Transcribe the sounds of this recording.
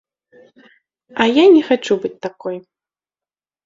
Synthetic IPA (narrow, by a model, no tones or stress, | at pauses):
ɐjanʲɛxat͡ʂubɨt͡sʲt̪akɔj